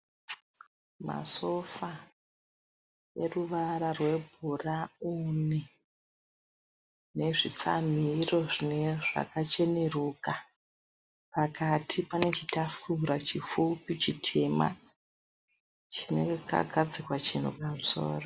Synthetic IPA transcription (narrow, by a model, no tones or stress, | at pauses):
ma̰so̞fa | e̞ruʋaɾarwe̞bʱuraune | ne̞ʐit͡sa̰m̤iro̞ʐineʐa̰kat͡ʃe̞ne̞ruːka | pakatʰipane̞t͡ʃitafuɾat͡ʃifupit͡ʃitʰe̞ma̰ | t͡ʃine̞ka̰ɡʱad͡zikwat͡ʃin̤ṵpamuso̞̰ːro